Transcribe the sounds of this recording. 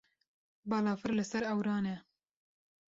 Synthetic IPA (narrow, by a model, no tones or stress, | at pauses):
bɑːlɑːfɨɾlɨsɛɾɛwɾɑːnɛ